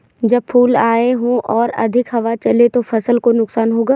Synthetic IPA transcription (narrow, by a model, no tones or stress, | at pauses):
d͡ʒɐb̚pʰuːlaːeɦõʔɔːɾɐ̰d̪ʱɪkɦɐʋat͡ʃɐlet̪ofɐsəlkonʊksaːnɦoːɡaː